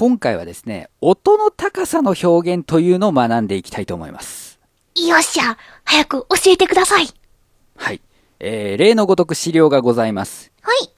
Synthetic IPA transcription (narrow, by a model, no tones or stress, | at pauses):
kõ̞ŋkaiβa̰d̪e̞sɨ̥ne̞̰o̞t̪o̞no̞t̪akasano̞ço̞ːɡẽ̞nt̪o̞jɯ̟ːno̞ːmanãnd̪e̞ikʲi̥t̪ait̪o̞ːmo̞̰ḭmʔa̰sɨ̥ | ijoɕia | hajakɯ̟ʔo̞ɕie̞t̪e̞kɯ̟d̪asai | hai | eːɾe̞ːno̞ɡo̞t̪o̞kɯ̟ɕiɾʲo̞ːɡaɡo̞zaimasɨ̥ | hai